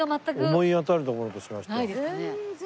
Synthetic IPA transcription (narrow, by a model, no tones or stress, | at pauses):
amat̪ːakomo̞iat̪aɾɯ̟t̪okoɾot̪oɕimaɕi̥t̪ad̪ne